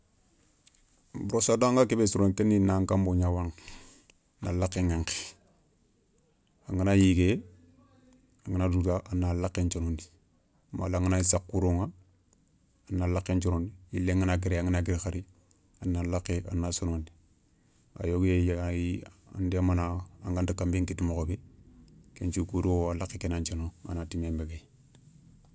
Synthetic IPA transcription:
buɾosadaŋɡakebesoɾonteninaŋkamboɲawaŋ | na̰lakːeŋeŋke̥ | aŋinajiɡe | aŋinadudaʔanalakːent͡ʃonondi | ma̰laŋinaisakːuɾoŋa | anːalakːent͡ʃonondiilːeŋinaɡ̬iɾeaŋinaɡiɾxaɾi | anːalakːeʔa̰nːasonondi | a̰joɡjejia̰ndemanaaŋɡantakambiŋkitimokobe | kent͡ʃukuɾuoalakːekenant͡ʃonoŋa̰natimeːmbeɡe

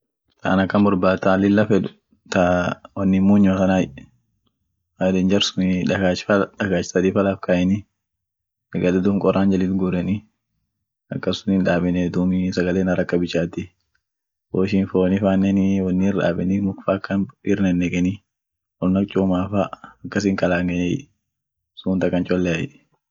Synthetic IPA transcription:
t̪ʰa̰ːnɐkːɐnbɔɾbaːt̪ːaːlɪlːɐfɛd̪ʊ | t̪awɐnːɪmːuːɲːmɐsɐnaːj | mad̪ɛnd͡ʒɐɾsʊnɪᶑaᶑɐkaːt͡ʃːɪ̥sɐd̪ifɐlafkaːʔɛnɪ | ɛɡɐlɛd̪uŋkʼɔɾʔaːnd͡ʒɐliːlt̪ɡʊɾɛnɪ | ɐ̰kːɐsʊnɪnᶑaːbɛnɛd̪umɪsɐɡɐleːnɐɾɐkːɐbɪt͡ʃːaːt̪ːɪ | woːʃinfoːnɪfaːnːɛnɪwɐnːɪɪɾᶑa̰ːbɛnɪmʊkfaːkːɐnɪɾnɛnːɛkʼɛnɪ | wɔlnɐk̚t͡ʃʼuːmaːfaɐkːɐs̬ɪŋkʼɐlaːŋɡɐjɛj | suːnt̪ɐkːɐnt͡ʃʼɔlːɛɐj

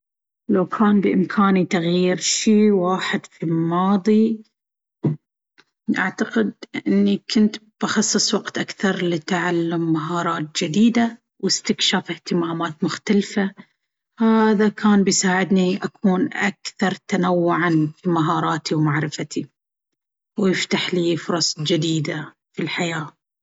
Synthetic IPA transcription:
lawkʰaːnbɪʔɪmkʰaːnit̪aɣjiːɾʃiːwaːħɪd̪̥filmɑːðˤi | ʔaʕt̪aqɪd̪̚ʔɪʔɪnːikʊnt̪b̥ɑxɑsˤːɨsˤwɑqt̪ʔakθɑɾˤlit̪ʕalːʊmːaɦɑːɾˤɑːt̪̚d͡ʒɪd̪iːd̪a | wɪst̪ɪkʃaːfɪht̪ɪmaːmaːt̪mʊxt̪alfa | haːðakaːnbɪjsaːʕɪd̪niʔakʰuːnʔakθɑɾˤt̪anawːʊʕanfimaɦɑːɾˤɑːt̪iwmaʕɾɪfat̪ʰi | wjɪft̪aħliːfʊɾˤɑsˤd͡ʒɪd̪iːd̪a | filħajaː

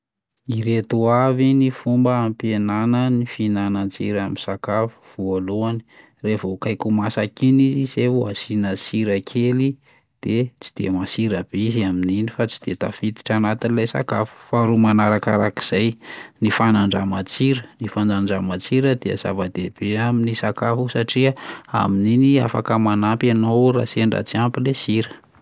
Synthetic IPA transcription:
iɾet̪uavinifumbəampjenanənifinanant͡sḭɾamisakafu̥v̥ualuani̥ | revokajkumasakinizizeuasinəsiɾəkʰeli | d̪̥et͡si̥d̪̥ḛmasiɾəb̥eiziamininifat͡si̥d̪̥et̪a̰fit̪i̥ʈ͡ʂanat̪inilejsa̰kafu̥faɾumanaɾakaɾaki̥z̥ajnifanaɳɖ͡ʐamat͡siɾənifand͡zaɳɖ͡ʐamat͡siɾəd̪eə̰z̥a̰vad̪eb̥eaminisakafusaʈ͡ʂiaa̰mininia̰fa̰kəmanampanowɾa̰seɳɖ͡ʐa̰t͡siampilesiɾə̥

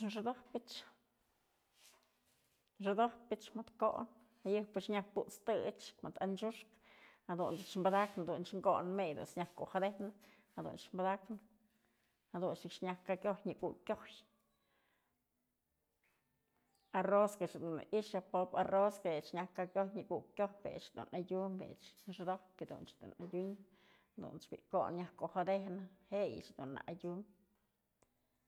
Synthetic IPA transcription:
ʐɨd̪ohpit͡ʃ | ʐɨd̪ohpit͡ʃmad̪ko̰ʔn | ajɨpɨt͡ʃɲakput͡st̪ɨt͡ʃmad̪ant͡ʃuʂk | ad̪und̪ɨt͡ʃmbad̪aknd̪unʃŋɡonmejd̪ṵnsɲakkṵxad̪enɨ | ad̪ṵnʃmbad̪aknɨ | ad̪unʃɨkʂɲakkːakʲjojɲikṵkʲjoj | aroskat͡ʃd̪una̰ʔiʃjapoparoskaet͡ʃɲakːakjojɲiɡukjʲobḛt͡ʃd̪ṵnajʲumbḛt͡ʃɾd̪oked̪ṵnt͡ʃd̪ṵnajʲuɲ | d̪ṵnt͡ʃbḭko̰nɲakoxad̪ehnahejḭt͡ʃd̪una̰ʔjʲum

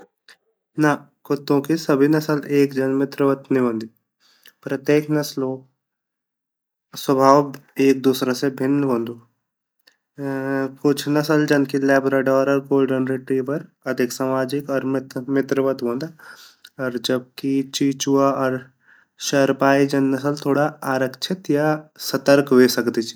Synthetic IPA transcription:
na | kʊt̪ːõkisɐbʱinɐsəleːkd͡ʒɐnmɪt̪ɾəʋət̪nĩbə̃nd̪i | pɾɐt̪jeːknɐslo | swəbʱaːweːk̚d̪uːsɾasebʱɪnːəbə̃nd̪uː | kʊt͡ʃʰnɐsəld͡ʒɐnkilɛːbɾaɖɔːɾəɾkoːlɖənɾeʈɾiːbəɾ | ɐd̪ʱɪksaːmaːd͡ʒɪkɔːɾmt̪mɪt̪ɾəʋət̪ɦõːnd̪a | ɔːɾd͡ʒɐb̚kit͡ʃiːt͡ʃuaɔːɾ | ʃɐɾpaːid͡ʒɐnːɐsəlt̪ʰoːɽaaːɾəkʃʰɪt̪jasɐt̪əɾkʋeːsɐkd̪it͡ʃʰi̥

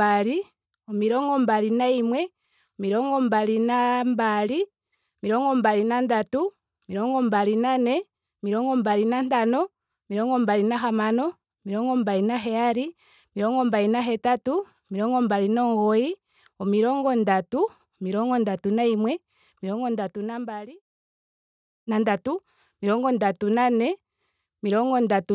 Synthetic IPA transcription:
aɾi | ɔmiɾɔŋɡɔmbaɾinaimwɛ | miɾɔŋɡɔmbalinambali | ɔmiɾɔŋɡɔmbalinandatu | miɾɔŋɡɔmbaɾinanɛ | ɔmiɾɔŋɡɔmbaɾinantanɔ | miɾɔŋɡɔmbaɾinaɦamanɔ | miɾɔŋɡɔmbaɾinaɦɛaɾi | miɾɔŋɡɔmbainaɦɛtatu | miɾɔŋɡɔmbaɾinɔŋɡɔi | ɔmiɾɔŋɡɔndatu | miɾɔŋɡɔndatunaimwɛ | miɾɔŋɡɔndatunambali | nandatu | miɾɔŋɡɔndatunanɛ | miɾɔŋɡɔndatu

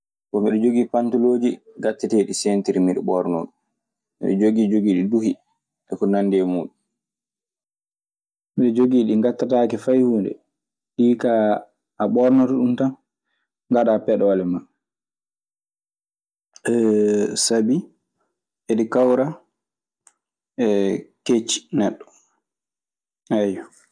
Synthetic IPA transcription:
kɔmiɗɔd͡ʒoɡiːpantɔloːd͡ʒiɡatːatɛɗisɛntiɾimiɗɛ̰ɓɔɾnɔ̰ɗum | mḭɗɔ̰d͡ʒoɡiːd͡ʒoɡiːɗiduhi | ʔɛkɔnandɛmuːɗum | miɗɔd͡ʒoɡiːɗiŋɡatːataːkɛfajhuːndɛ̰ | ɗiːka | ʔaɓɔɾnatuɗumtan | ŋɡaɗapɛɗɔwalɛma | ɛsabi | ɛɗikawɾa | ɛket͡ʃːi̥nɛɗːɔ̥ | ɛjɔ

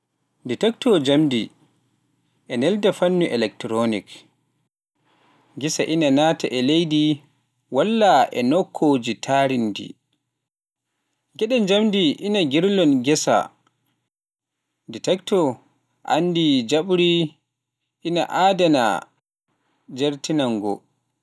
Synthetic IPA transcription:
ditɛktɔd͡ʒamdi | ʔɛnɛldafanːuʔɛlɛk̚tɾonik | ɡisaʔinanataʔɛlejdi | walːaʔɛ̰nɔkʰːod͡ʒitʰaɾindḭ | ɡɛɗɛnd͡ʒamdiʔinaɡiɾlɔnɡɛsa̰ | ditɛktɔ | ʔa̰ndid͡ʒaɓɾi | ʔina̰ʔaːdana̰ | d͡ʒaɾtinaŋɡɔ̰

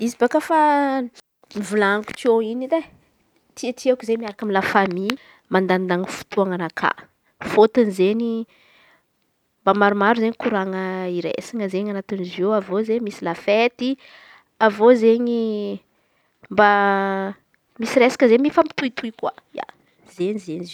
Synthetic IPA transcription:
izibakafa | mivulaŋku̥t̪ioinide | t̪ʰiat̪ʰiakuzemiaɾakamilafami | mand̪and̪aŋifu̥t̪ʰuaŋanakʰa̰ | fot̪inizeɲi | mbamaɾumaɾuzeɲikuɾaŋəiɾḛsaŋəzeɲanat̪inizewavozemisilafet̪i | avozeɲi | mba | misiɾesḁkəzemifampi̥t̪uit̪ʰuikwaja̰ | zeɲizeɲiz

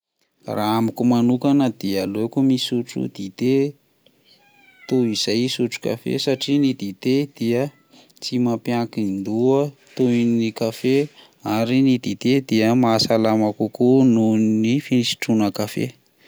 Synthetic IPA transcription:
raamikumanukanəd̪ialekumisuʈ͡ʂṵd̪̥it̪e | t̪uiz̥ajsuʈ͡ʂu̥ka̰fḛsaʈ͡ʂinid̪it̪ed̪̥iə | t͡simapjakind̪uət̪uinikafe | aɾinid̪it̪ed̪iəmasalamakukununifinisi̥ʈ͡ʂunəkafḛ

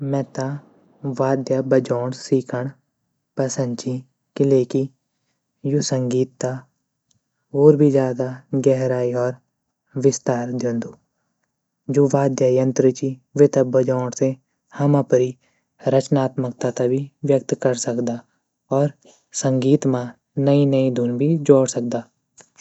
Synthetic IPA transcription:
mɛ̃ːt̪a | ʋaːd̪jaːbəd͡ʒɔːɽsiːkʰəɳ | pəsə̃nd̪t͡ʃi | kɪleːki | jusəŋɡiːt̪ːa | oːɾbʱid͡ʒjaːd̪aɡɛɦɾaːiɔːɾ | ʋɪst̪aːɾd̪jẽːnd̪uː | d͡ʒoːʋaːd̪jajə̃nt̪ɾɪt͡ʃiʋet̪ɐbʱəd͡ʒãːɽse | hɐmãpəɾi | ɾɐt͡ʃnaːt̪mək̚t̪at̪abʱiʋjək̚t̪kɐɾsɐkd̪aː | ɔːɾ | sɐ̃ŋɡiːt̪mã | nɐinɐid̪ʱuːnbʱid͡ʒoːɽsɐk̚d̪aː

